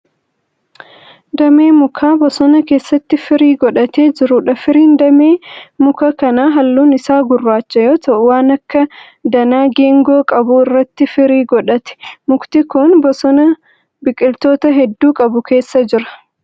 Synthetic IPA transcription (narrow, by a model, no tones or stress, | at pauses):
d̪ɐmeːmʊkʰaːbɔsɔnɐke̞ːsːɐt̪ːɪfɪɾiːɡɔᶑɐt̪e̞ːd͡ʒɪɾʊᶑɐfɪɾiːnd̪ɐmeːmʊkɐkɐnaːɦɐlːuːnɪsaːɡʊrːaːt͡ʃːɐjo̞ːt̪ʰɐʔʊwaːnɐkːɐ | d̪ɐnaːɡe̞ːŋɡo̞ːkʼɐbʊɪrːɐt̪ːɪfɪɾiːɡɔᶑɐt̪ɛ̥mʊkt̪ɪkʊnbɔsɔnɐ | bɪkʼːɪlt̪o̞ːt̪ɐɦɛd̪ːuːkʼɐbʊke̞ːsːɐd͡ʒɪɾɐ̥